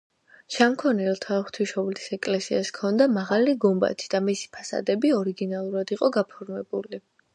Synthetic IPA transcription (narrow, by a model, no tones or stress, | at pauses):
ʃaŋkʰɔnɛlˠt̪ʰaχt̪ʰwiʃɔblisɛkʼlɛsiaskʰɔnd̪amaʁaliɡɔmba̰t̪ʰi̥d̪̥amisi̥pʰasa̰d̪ɛbiɔɾiɡinalˠuɾad̪iqʼɔɡapʰɔɾmɛbuli